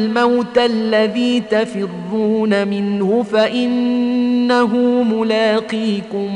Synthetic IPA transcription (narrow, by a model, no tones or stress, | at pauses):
lmawt̪aʔlːaðiːt̪afɪrːuːnamɪnhʊfaʔɪnː | aɦʊmʊlaːqiːkʊm